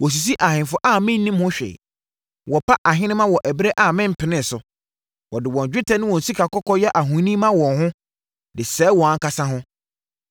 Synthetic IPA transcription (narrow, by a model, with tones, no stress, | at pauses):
wɔ˨s̬i˨s̬i˦ʔa˨hɪ̃˨nfʊ˦ʔa˦˨mɪ̃˦n̩˦nːĩ˦mʊ̃˦ɕᶣḛ˨ | wɔ˨pʰa˦ʔa˨ɦɪ̃˦nɪ̃˦mã˦wɔ˨ʔæ˨bɾe˦ʔa˨mɪ̃˦m̩˨pʰɪ˨nɪ̃˦˨sʊ˨ | wɔ˨dɪ˨wɔ̃˨n˨d͡ʑᶣɪ˦tʰɛ˨˦nɪ̃˦wɔ̃˨n̩˨si˦kʰa˨kɔ˦kɔ˦jɛ˦ʔa˨ɦũ˨˦nĩ˦mã˦wɔ̃˨nhʊ̃˦ | dɪ˨sɛː˨˦wɔ̃˨a˨ŋ̩˦ka˦sã˦ɦʊ̃˦